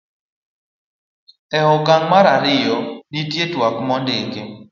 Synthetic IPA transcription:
ɛɦɔkaŋmaɾaɾɪjɔditjetwakmɔndɪke

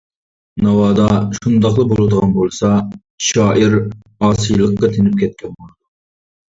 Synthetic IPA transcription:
nɑwɑːd̪ɑʃund̪ɑqlˠɨbolˠɨd̪əʁɑnbolˠsɑ | ʃɑːʔiɾ | ɑːsijlˠəqːɑt̪ʰenɪp̚kʲʰɛt̪̚kʲʰɛnmɑnd̪u

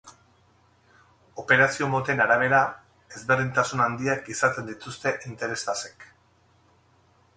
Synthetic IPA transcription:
o̞pe̞ɾasio̞mot̪e̞naɾaβ̞e̞ɾa | e̞zβerðint̪asunand̪iakisat̪e̞nd̪it̪ust̪e̞ʔint̪e̞ɾe̞sase̞̥k

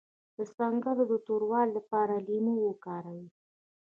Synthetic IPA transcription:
d̪̥əsɑŋɡəlod̪ət̪oɾwɑlːapɑɾalimowəkɑɾawi

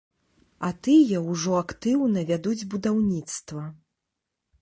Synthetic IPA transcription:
ɐt̪ɨjɐwʐɔakt̪ɨwnɐvʲad̪ud͡zʲbud̪awnʲit̪st̪vɐ

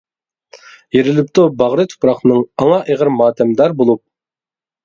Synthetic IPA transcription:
jeɾɪlɪp̚t̪ʰobɑʁɾɨt̪ʰo̥pɾɑχnɨŋɑŋɑʔeʁəɾmɑːt̪ʰɛmd̪ɑɾbolˠup̚

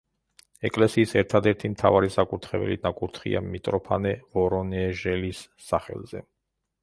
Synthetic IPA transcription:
ɛkʼlɛsiːsɛɾt̪ʰad̪ɛɾt̪ʰimt̪ʰavaɾisakʼuɾt̪ʰχɛbɛ̰linakʼuɾt̪ʰχḭa̰mit̪ʼɾɔpʰa̰nɛvɔɾɔnɛʒɛlisː | aχɛ̰lˠzɛ̰

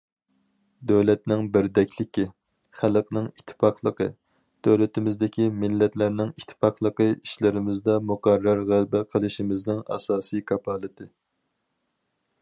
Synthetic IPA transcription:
d̪øwlɛt̪̚nɪŋbɪɾd̪ɛkʲlɪkʲi | χælˠqnɪŋit̪ʰːɪ̥pɑqlˠəqʰə̰ | d̪̥øwlɪt̪ʰɪmɪzd̪ɪkʲʰimɪlːɛt̪læɾnɪŋit̪ʰːɪ̥pɑqlˠəqəiʃlɪɾɪmɪzd̪ɑmuqærːɑɾʁælbæqʰəlˠɨʃimɪznɪŋɑ̰sɑːsijkʰɑpʰɑːlˠɨt̪ʰɨ

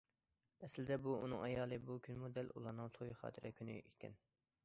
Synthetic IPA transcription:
ɛslɪd̪ɛbuṵnɨ̰ŋɑjɑːlˠɨbukʲʰynmud̪ɛlṵlˠɑɾnɨŋt̪ʰojχɑ̰ːt̪ʰɪɾʔɛkʲʰyny̰ʔikʲɛ̰n

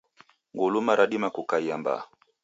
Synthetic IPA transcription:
ŋɡulumaɾaɗimakukaiamba̰

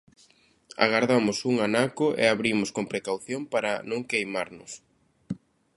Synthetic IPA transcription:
a̰ɣaɾðamʊsuŋanakʊʔḛaβɾimʊskompɾekawθjompaɾɐnõŋkejmaɾnʊs

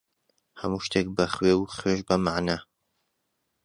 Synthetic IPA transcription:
hɐmuːʃt̪ʰek̚bɐχweːwuχweʃbɐmaʕnaː

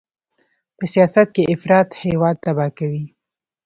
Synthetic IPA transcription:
pəsijɑsat̪̚keʔɪfɾɑt̪hewɑd̪̚t̪abɑkawi

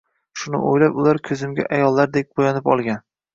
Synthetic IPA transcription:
ʃʊnɪ̰ʔojlapʊlaɾkʲʰɵzɪmɡʲa̰ʔajɒlˠːaɾd̪ek̚ʲbojɒnɪpɒlˠɡʲan

